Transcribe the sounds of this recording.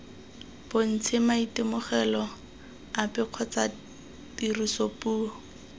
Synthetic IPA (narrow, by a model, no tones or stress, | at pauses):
b̥on̩t͡sʰɪmaitɪmʊχɛlɔ | apɪq͡χʰɔt͡sa | tirisopuːɔ